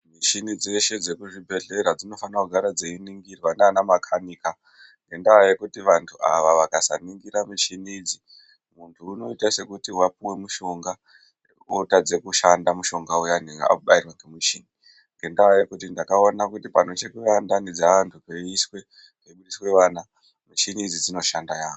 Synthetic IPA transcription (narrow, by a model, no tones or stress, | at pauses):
mit͡ʃinid͡ze̞ʃe̞d͡ze̞kuʐibʱe̞ɮe̞ɾad͡zino̞fanakuɡʱaɾad͡zeiniŋɡirwanaːnamakʰanika | ŋɡe̞ndawajekutiʋantʰua̰ʋaʋakasa̰niŋɡiɾamit͡ʃinid͡zi | muntʰuːno̞itase̞kutiwapuwe̞muʃo̞ŋɡa | otad͡ze̞kuʃandamuʃo̞ŋɡaujanea̰kuɓairwaŋɡemiʃiːni | ŋɡe̞ndaajekutindakao̞nakutipano̞t͡ʃekuʋandanid͡zaʋantʰupeiswe̞ | keɓuɗiswe̞ʋaːna | miʃinid͡zid͡zino̞ʃandajaːko